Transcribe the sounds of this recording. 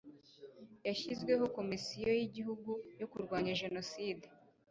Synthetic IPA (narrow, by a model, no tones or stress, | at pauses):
jaʃizɡwe̞ɦo̞ko̞misijo̞jiɟiɦuɡujokuɾɡwaːɲaʒe̞no̞siːde